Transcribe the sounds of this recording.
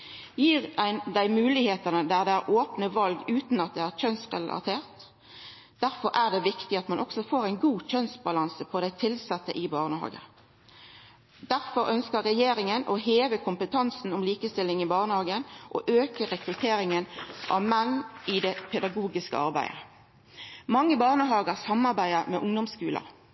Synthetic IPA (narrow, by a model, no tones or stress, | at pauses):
jiːʁæd̪æɪmʉːlɪheːt̪ənəd̪æʁd̪ɛæʁʔoːpnəʋɑlɡʉːt̪n̩ɑt̪̚d̪ɛæːʁc͡çœnsʁɛ̰lɑ̰t̪ʰeːʁt̪ | d̪æʁfɔɾʔæːʁd̪ɛʋɪkt̪ɪɑt̪mɑnʔɔksɔfoːʁæɪnɡuːc͡çœnsbɑlɑnsəpʰɔd̪æɪt̪ʰɪlsɑt̪ːəʔɪbɑːʁnəhɑ̰ːɡə̰ | d̪̥æʁfɔɾœnskəʁːɛjeːɾɪŋənʔoɦeːʋəkʰʊmpət̪ʰɑnsn̩ɔmliːkəst̪ɪlːɪŋɪbɑːʁnəhɑːɡənʔoʔøːkəʁɛkɾʉt̪ʰeːɾɪŋənʔɑ̰ʋmɛnːɪd̪ɛpʰɛd̪ɑɡuːɡɪskə̰ɑʁbæ̰ɪə̰ | mɑŋːəbɑːʁnəɦɑːɡəʁsɑmɑʁbæɪəʁmɛʔʊŋd̪ɔmskʉːlə̰